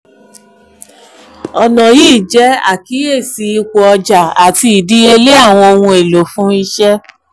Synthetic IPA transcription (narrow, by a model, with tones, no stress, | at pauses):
ɔ˨nɔ̃˨jiː˦˨d͡ʒɛ˨˦a̰˦˨ki˨˦e˦˨si˨˦i˧kʷo˨ɔ˧d͡ʒa˨a˨ti˧i˨di˦e˧le˦a˦˨w̃ɔ̃˧o˧wũ˧e˨lo˨fũ˦i˧ʃɛ˦